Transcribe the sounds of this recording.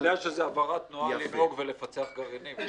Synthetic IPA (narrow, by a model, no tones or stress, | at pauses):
d̪ajʃezeavaʁat̪nualio̞ɡvele̞fat͡seaχɡaʁenim